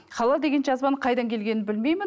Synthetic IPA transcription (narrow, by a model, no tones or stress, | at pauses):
χɑlˠɑd̪e̞ɡʲe̞nʒɑzbɑnəɴqʰɑjd̪ɑŋkʲʰe̞lɡʲe̞nɪnbɪlme̞jmɪn